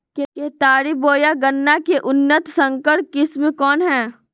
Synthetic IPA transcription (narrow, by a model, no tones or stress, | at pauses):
kekeːt̪aːɾiboːjaɡɐnːakeʔʊnːət̪sə̃ŋkəɾʈ̚kɪsmẽkɔːnɦɛː